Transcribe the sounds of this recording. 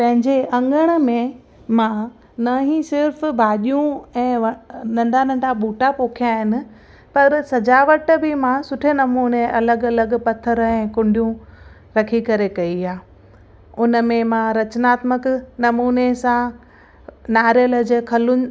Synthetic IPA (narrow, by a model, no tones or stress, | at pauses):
pɐ̃ɦɪ̃ɲd͡ʑeʔɐ̃ŋɡəɽ̃ə̆mẽ | mã | nɐɦĩsɪɾfbʱaːɗijũɛ̃ːnɐ̃ɳɖʱanɐ̃ɳɖʱaɓuːʈapoːkʰijaɦɪnɪ̆ | pɐɾsɐd͡ʑaːʋəʈbɪmãsʊʈʰenɐmuːneʔɐləɡɐləɡpɐt̪ʰəɾɛ̃ːkʊ̃ɳɖʱijũ | ɾɐkʰikɐɾekɐiaː | ʊnə̆mẽmãɾɐt͡ɕnaːt̪məknɐmuːnesã | naːɾjələd͡ʑkʰɐlʊ